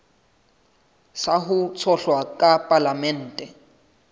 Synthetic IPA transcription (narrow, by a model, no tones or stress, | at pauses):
saɦʊt͡sʰɔɬwakʼapʼalamɛn̩ːtʼɛ